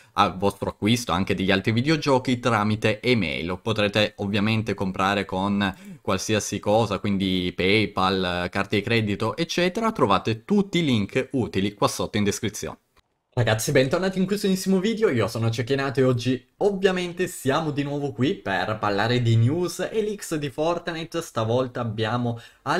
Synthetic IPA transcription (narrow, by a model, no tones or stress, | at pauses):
a̰lvɔst̪ɾoakːwist̪oaŋk̟ed̪eʎːialt̪ɾivid̪eod͡ʒɔːk̟it̪ɾaːmit̪eʔemɛ̰jlopot̪ɾeːt̪eovːjament̪ekompɾaːɾekonkwalsiːasikɔːzakwind̪ipɛjpalkart̪eikɾɛːd̪it̪oʔet͡ʃːɛːt̪eɾat̪ɾovaːt̪et̪ut̪ːiliŋkuːt̪ilikwasːot̪ːoind̪eskɾit̪sːjo̰ːne | raɡat̪sːibɛnt̪ornaːt̪iŋkwusonisːimoviːd̪eoiːosoːnot͡ʃekːinaːt̪oeɔd͡ʒːi | ovːjament̪esjaːmod̪inwɔːvokwipḛrparlaːɾed̪injuːzeliksd̪ifɔrt̪anet̪ːst̪avɔlt̪aːbːjaːmoa